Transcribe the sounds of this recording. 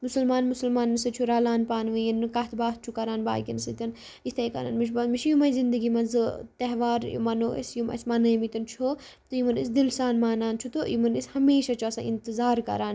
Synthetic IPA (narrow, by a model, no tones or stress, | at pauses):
musɐlmaːnmusɐlmaːnːɨsɐt͡ʃʰuɾaːlaːnpaːnʋɨjinɨkat̪ʰbaːt̪̚t͡ʃʰukɐɾaːnba̰ːkʲinsɐt̪ʲɐn | it̪ʰɐjkɐ̰ɾa̰ːnmit͡ʃʰbɐmit͡ʃʰjumɐjzind̪əɡimɐnzɨt̪ɐɦʋaːɾjṵmɐnuʔɐ̰sjumɐ̰smɐnɐjimit̪ɐnt͡ʃʰo | t̪uimɐnis̬d̪ilsaːnmaːnaːnt͡ʃʰut̪oimɐnishɐmeːʃat͡ʃʰuɐsã̰ːʔint̪ɨzaːɾkɐ̰ɾaːn